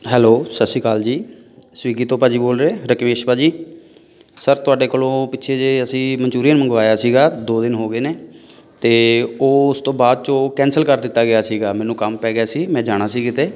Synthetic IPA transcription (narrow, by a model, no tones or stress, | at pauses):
ɦɛːloːsəsiːkaːld͡ʒiː | sʋiːɡiːt̪õːpaːd͡ʒiːboːlɾeeːɾəkmeːʃpaːd͡ʒiː | səɾt̪ʊaːɖeːkoːlõːpɪtːʃʰeːd͡ʒeːəsĩːməɲt͡ʃuːɾijənməŋɡʋaːjaːsiːɡaːd̪oːd̪ɪnɦoːɡeːneː | t̪eːoːʊst̪õːbaːd̪̚t͡ʃõːkɛ̃ːnsəlkəɾd̪ɪt̪ːaːɡɪjaːsiːɡaːmɛ̃ːnũːkəmpɛːɡɪjaːsiːmɛ̃ːd͡ʒaːɽ̃aːsiːɡɪt̪eː